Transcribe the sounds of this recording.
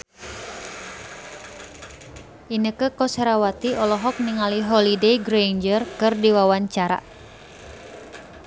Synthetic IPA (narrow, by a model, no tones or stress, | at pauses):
ʔinəkəkɔsɾawat̪iʔɔlɔɦɔk̚niŋaliɦɔlidejɡɾejnd͡ʒərkɨrdiwawaɲt͡ʃaɾa̰